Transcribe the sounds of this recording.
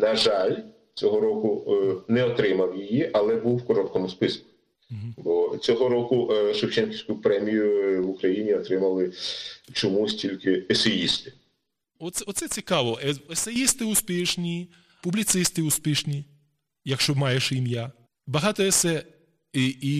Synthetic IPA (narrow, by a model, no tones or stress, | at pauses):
nɐʒalʲ | t͡sʲɔɦɔɾɔkʊnɛɔt̪ɾɪmɐwjijiʔɐlˠɛbuwːkɔɾɔt̪kɔmʊspɪskʊ̥ | ɦ̩bɔt͡sʲɔɦɔɾɔkʊʃewt͡ʃɛnkʲiwʲsʲkʊpɾɛmʲijʊwʊkɾɐjinʲiɔt̪ɾɪmɐlˠɪt͡ʃɔmusʲtʲilʲkɪɛsejist̪ɪ̥ | ɔt̪sɛɔt̪sɛt͡sʲikɑʋɔɛɛsejist̪ɪʊspʲiʃnʲi | pʊblʲit̪sɪst̪ɪuspʲiʃnʲi | jɐkʃt͡ʃɔmɑjɛʃimʲja | bɐɦɑt̪ɔɛsɛ | ii